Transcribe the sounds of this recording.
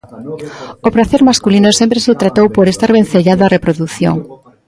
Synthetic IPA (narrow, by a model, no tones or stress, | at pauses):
opɾaθeɾmaskulinosempɾeset̪ɾat̪owpoɾest̪aɾβen̟θeʎaðʊarepɾoðuθjo̰ŋ